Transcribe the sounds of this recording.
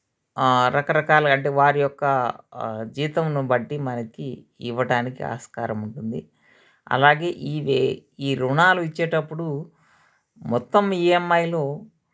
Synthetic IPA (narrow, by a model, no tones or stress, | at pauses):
ɾɐkɐɾɐkaːlɐɐɳʈeːʋaːɾijɔkːɐ | d͡ʒiːt̪ɐmnubɐʈːimɐnɐki | iʋɐɽaːnikia̰ːskaːɾɐmuɳʈund̪i | ɐ̰laːɡe̞ːʔiːʋeiːɾuɳaːluit͡ʃːeːʈɐpːuɽu | mɔt̪ːɐmiːemːɐjloː